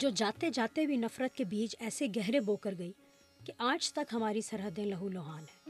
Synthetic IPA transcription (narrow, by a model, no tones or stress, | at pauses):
d͡ʒoːd͡ʒaːt̪ed͡ʒaːt̪ebʱinɐfɾət̪̚kebiːt͡ʃɛːseɡɛɦɾeboːkəɾɡɐi | keʔaːt͡ʃt̪ɐkɦɐmaːɾisɐɾɦəd̪ẽlɐɦuloːɦaːnɦɛː